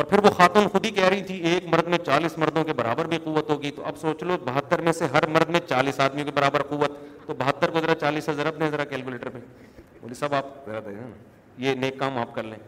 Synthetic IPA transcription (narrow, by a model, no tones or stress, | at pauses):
ɔːɾpʰɪɾʋoxaːt̪uːnxʊd̪ʱikɛɦɾɐɦit̪ʰieːkmɐɾd̪mẽt͡ʃaːliːsmɐɾd̪ʱõkebɐɾa̰ːbəɾbʱiquːʋːət̪ɦoːɡit̪o̰ʔɐbsoːt͡ʃlobɐɦət̪ːəɾmẽseɦɐɾmɐɾd̪mẽt͡ʃaːliːsaːd̪mijõk̬ebɐɾaːbəɾquːʋːət̪ːobɐɦət̪ːəɾkozɐɾat͡ʃaːliːsɦɐzaːɾɐp̚d̪ẽzɐɾakɛːlkuleːʈəɾpẽ | o̰ːlisaːbaːpzɐɾad̪ɐnana | jeneːkːaːmaːp̚kɐɾlẽː